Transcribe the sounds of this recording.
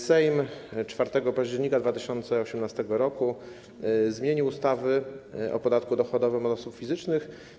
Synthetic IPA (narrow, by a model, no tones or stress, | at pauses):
sɛjmt͡ʂfaɾt̪ɛɡɔpaʑd͡ʑɛɾɲikad̪vat̪ɘɕɔnt̪sɛɔɕɛmnast̪ɛɡɔɾɔku | zmʲjeɲiwust̪avɘɔ̰pɔd̪at̪kud̪ɔxɔd̪ɔvɘmɔd̪ɔsupfʲizɘt͡ʂnɘx